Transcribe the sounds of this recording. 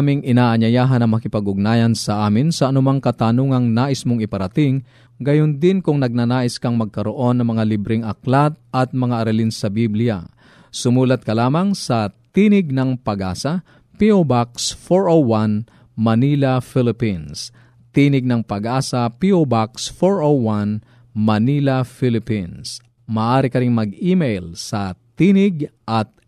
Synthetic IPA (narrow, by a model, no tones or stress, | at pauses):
amɪŋʔɪnaːʔɐɲɐjaːɦɐnɐŋmɐkɪpɐɡʊɡ̚naːjɐnsɐʔaːmɪnsɐʔɐnʊmaŋkɐt̪anuŋɐŋnaːʔɪsmoŋɪpɐɾɐt̪ɪŋ | ɡɐjond̪ɪnkʊŋnɐɡ̚nanaːʔɪskɐŋmɐɡ̚kɐɾoʔo̞nːɐŋmɐŋalibɾɪŋʔɐklat̪̚ɐt̪̚mɐŋaʔɐɾɐlɪnsɐbiblɪja̰ | sʊmuːlɐt̪̚kɐlaːmɐŋsɐt̪inɪɡ̚nɐŋpɐɡʔa̰ːsɐ | piʔobaksfoɹowan | mɐniːlɐfɪlɪpins | t̪iːnɪɡ̚nɐŋpɐɡʔaːsɐpiʔobaksfoɹʔowan | mɐnilɐfilɪpins | mɐːʔaːɾɪkɐɾiŋmɐɡiːmɛjlsɐt̪inɪɡʔɐt̪̚